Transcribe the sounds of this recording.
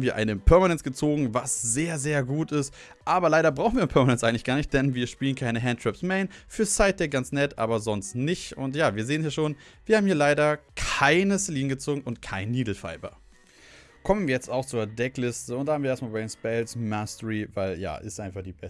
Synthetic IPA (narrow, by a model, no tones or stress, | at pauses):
mviːɐʔa̰ɪnəpʰɛɐmanɛnsɡ̥ət͡soːɡŋ̩vasz̥eːɐzeːɐɡuːtɪst | ʔaːbɐlaɪɾɐbʁaʊxnviːɐnpʰɛɐmanɛnsʔaɪŋ̩lɪçɡ̥aːɐnɪçt̚d̥ɛnviːɐʃpiːlənkʰaɪnəɦɛntʰʁ̥ɛpsmɛɪnfyːɐsaɪt̚d̥ɛːɡant͡snɛtʔa̰ːbɐzɔnstnɪçtʊ̰ntjaːviːɐzeːənshjaɐʃoːnviːɐhaːmhiːɐlaɪɾɐkʰaɪnəsɛliːnɡət͡soːɡŋ̩ʊntkʰaɪnːiːdl̩fa̰ɪbɐ̰ | kʰɔmənviːɐjɛt͡staʊxt͡suːɐdɛklɪstəʊnthaːbm̩viɐeɐstmalbɛnsb̥ɛlsmastəʁiva̰ɪlja̰ːʔɪ̰stʔaɪnfaχd̥iːbɛ